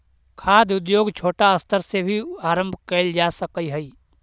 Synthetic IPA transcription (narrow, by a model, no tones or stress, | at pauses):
kʰaːd̪ʊd̪joːɡt͡ʃʰoːʈaəst̪ʰəɾsebʱiaːɾə̃mbʱkeːld͡ʒaːsəkəiɦəiː